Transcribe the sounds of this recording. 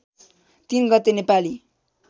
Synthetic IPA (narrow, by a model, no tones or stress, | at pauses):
t̪inɡʌt̪ːenepali